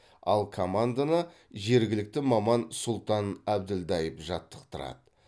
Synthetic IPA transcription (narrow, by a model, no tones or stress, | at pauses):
ɑ̰lˠkʰo̞mand̪anəʒe̞ɾɡʲɪlɪk̚t̪ɪmɑmɑnsʊlˠt̪ɑnæb̚d̪ɪld̪ɑjəpʒɑt̪ːə̥qt̪əɾɑ̰d̪ə